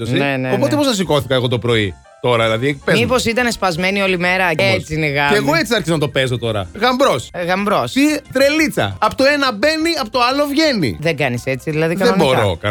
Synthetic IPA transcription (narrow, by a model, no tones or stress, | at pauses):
osineneopoepoznɐs̬iko̞θikɐeɣo̞t̪o̞pɾo̞ḭ | t̪o̞ɾɐðilɐðiekpemipo̞sit̪ɐnespɐzme̞nio̞lime̞ɾɐeet͡siineɣɐeːɣo̞e̞t͡siɐɾçizonɐt̪o̞pe̞zo̞t̪o̞ɾɐ̰ɣɐmbɾo̞sɣɐmbɾo̞sit̪ɾelit͡sɐ̰ɐpot̪oenɐbeniɐpot̪oɐlovʝe̞nḭðeɡɐnise̞t͡siðilɐðiɐðebo̞ɾo̞̰kɐ